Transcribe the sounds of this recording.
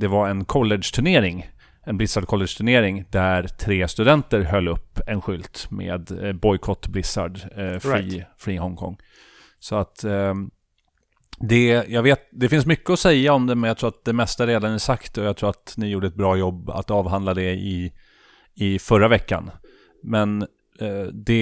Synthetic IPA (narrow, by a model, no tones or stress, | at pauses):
d̪ɛvaɾɛnkʰɔlːɛd̪ʂt̪ʰɵɳeːɾɪŋ | ɛnblɪsaɖkʰɔlːɛʂt̪ʰɵɳeːɾɪŋd̪æɾt̪ʰɾeːst̪ɵd̪ɛnt̪əɾɦœlːɵpːɛnɧʏlt̪mḛːd̪bɔjkʰɔt̪ːblɪsa̰ɖfifɾiːhɔŋkʰɔ̰ŋː | sɔat̪ | d̪ɛjɑɡveːt̪̚d̪ɛfɪnsmʏkːəɔsɛjːaɔmd̪ɛmɛnjɑkt̪ʰɾuːɾat̪̚d̪ɛmɛst̪aɾeːd̪anæsakt̪ɔjaɡt̪ʰɾuːɾat̪nɪjuːɖəɛt̪̚bɾɑːjɔbːa̰t̪ɑːvɦand̪lad̪ɛɪ | ɪfœɾavɛkːa̰n | mɛn | d̪ɛ